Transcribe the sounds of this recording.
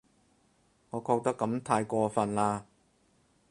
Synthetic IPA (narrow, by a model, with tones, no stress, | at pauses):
ŋɔː˨˧kʰɔː˧k̚t̪ɐ˥kːɐ˨˥mt̪ʰaː˧jkɔː˧fɐ˨nlaː˧